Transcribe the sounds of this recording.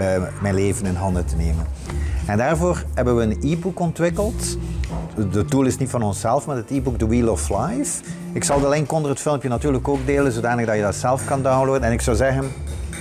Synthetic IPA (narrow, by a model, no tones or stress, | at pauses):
mɛjnleːvənɪnɦɑndətəneːmənɛndaːrvoːrɦɛbənʋəəniːbukɔntʋɪkəlˠt | dədulˠɪsnitfɑnɔnsɛlˠfmaːɹətiːbuɡ̚dəwiːlˠɔflajf | ɪksɑlˠdəlɪŋkɔndərətfɪlˠmpjənatyːrləkoːɡ̚deːlənzodaːnəɣdɑjədɑtsɛlˠfkɑndawnloːdənɛnɪksɑwzɛɣən